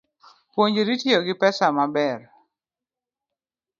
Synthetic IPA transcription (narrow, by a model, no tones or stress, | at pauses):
pwoɲd͡ʒeɾitjoɡɪpɛsamabɛr